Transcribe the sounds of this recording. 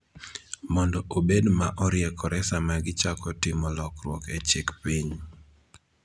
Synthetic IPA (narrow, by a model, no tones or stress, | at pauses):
mɔndɔʔobedmaʔɔɾjɛkʰɔɾɛsamaɡɪt͡ʃakɔtɪmɔlɔkɾwɔket͡ʃikpiɲ